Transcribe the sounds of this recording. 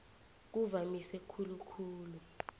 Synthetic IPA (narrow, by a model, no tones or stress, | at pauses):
k̬uvamisɛkʰulukʰuːlu